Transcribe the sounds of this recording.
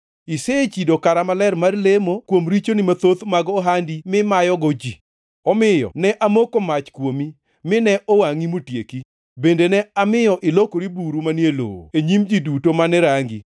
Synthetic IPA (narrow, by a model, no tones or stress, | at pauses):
ɪset͡ʃidokaɾamalɛrmarlemokwomɾit͡ʃonɪmat̪ot̪maɡɔɦandimɪmajɔɡɔd͡ʒi | ɔmɪjɔ̰nɛʔamokomat͡ʃkwomi | mɪnɛʔɔwaŋimotjeki | bendenɛamɪjɔʔɪlokoɾibuɾumanjelo̰o̰eɲimd͡ʒidutomanɛɾaŋɡi